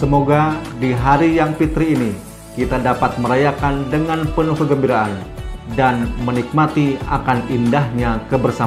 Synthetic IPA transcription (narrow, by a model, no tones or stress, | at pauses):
səmoɡadiɦaɾijaŋpit̪ɾiːni | kit̪adapat̪̚məɾajakandəŋanpənukəɡəmbiɾaʔandanmənik̚mat̪ia̰kanindahɲakəbərsa